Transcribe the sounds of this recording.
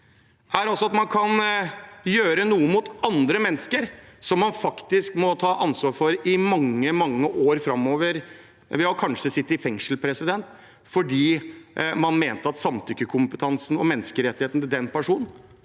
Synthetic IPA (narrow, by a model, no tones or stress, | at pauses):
ʔæɾɑlsɔɑt̪mɑnkʰɑn | jøːɾənuːəmʊt̪ɑnd̪ɾəmɛnːskəɾsɔmːɑnfɑkt̪ɪskmɔt̪ʰɑːʔɑnsʋɑːɾfɔɾɪmɑŋːəmɑŋːəʔoːɾfɾɑmːoːʋəɾ | ʋɪhɑkʰɑnʂəsɪt̪ːɪfɛŋʂl̩pʰɾɛsɪd̪ɛnt̪ | fɔɖiːmɑnmeːnt̪əɑt̪sɑmt̪ʰʏkːəkʰʊmpət̪ʰɑnsn̩ɔ̰mɛnːəskəɾɛt̪ːɪheːt̪nt̪ɪd̪ɛnpæʂuːnn̩